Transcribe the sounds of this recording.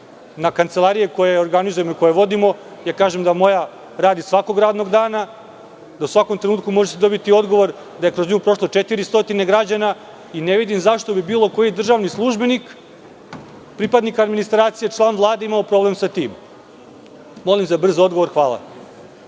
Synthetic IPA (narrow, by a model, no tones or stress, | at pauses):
nakant̪selˠaɾijeko̞jeoɾɡanizujemo̞iko̞jeʋo̞d̪imo̞jakaːʒemd̪amo̞ja | ɾaːd̪isʋako̞ɡɾaːd̪no̞ɡd̪aːna | d̪ausʋakomt̪ɾenuːt̪̚kumo̞ʒesed̪o̞bit̪io̞d̪ɡo̞ʋo̞ɾ | d̪aje̞kɾozɲuːpɾo̞ʃlˠot͡ʃet̪iɾist̪o̞t̪ine̞ɡɾad͡ʑana | ineʋid̪imzaʃt̪o̞bibiːlˠo̞ko̞jid̪r̩ʒaʋnislˠuʒbe̞nik | pɾipad̪nikaːd̪minist̪ɾaːt̪sije̞t͡ʂlˠaːnʋlˠaːd̪e̞imaopɾo̞ble̞msat̪iːm | mo̞limzabr̩zoo̞d̪ɡo̞ʋo̞ɾxʋaːla̰